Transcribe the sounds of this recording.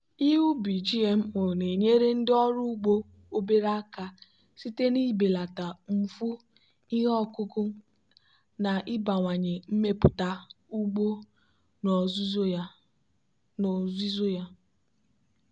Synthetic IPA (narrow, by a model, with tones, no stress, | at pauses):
i˦ɦu˦bi˨d͡ʒi˦e˦m̩˦o˨ne˨ɲe˦ɾe˦n̩˦dɪ˦ɔ˦ɾʊ˦ɡ͡bo˦ | o˦be˦ɾa˦ka˦ | si˦te˦ni˦be˨la˨ta˨m̩˨fu˦ | i˦ɦɔ˦kʊ˦kʊ˦ | na˨ʔɪ˦ba˨ŋʷa˨ɲe˨m̩˦me˦pʊ˨ta˦u˦ɡ͡bo˦˨ | z | o˨zi˦zo˦ja˦